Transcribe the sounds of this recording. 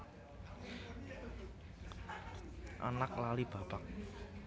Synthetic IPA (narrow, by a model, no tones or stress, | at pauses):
ʔa̰nak̚lalib̥a̤pak̚